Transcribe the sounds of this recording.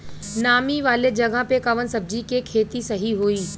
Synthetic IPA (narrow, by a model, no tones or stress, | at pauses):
naːmiʋaːled͡ʒɐɡʱãpekɐʋənsɐb̚d͡ʑikekʰeːt̪isɐɦiɦoːiː